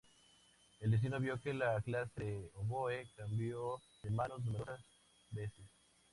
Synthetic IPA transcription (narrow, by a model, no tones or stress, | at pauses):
eld̪es̬inoβjo̞kelaklaseeoβoekambjo | ðemãnosnumeɾosas | beses